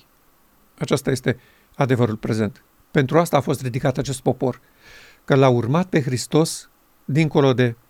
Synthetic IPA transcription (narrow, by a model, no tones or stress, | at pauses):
at͡ʃast̪aje̞st̪e̞ | ad̪e̞vəɾulpɾe̞ze̞nt̪ | pe̞nt̪ɾuast̪aːfo̞st̪ɾid̪ikat̪at͡ʃe̞st̪̚po̞po̞r | kəlaurmat̪̚pe̞xɾist̪o̞s | d̪iŋko̞lo̞d̪e̞